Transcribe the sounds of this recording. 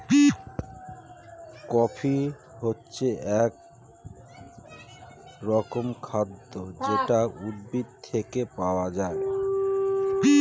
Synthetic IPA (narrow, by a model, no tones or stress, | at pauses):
kɔfʰi | ɦotːɕʰeʔɛk | ɾɔkomkʰad̪ːod͡ʑeʈaud̪̚bid̪̚t̪ʰekepaoad͡ʑae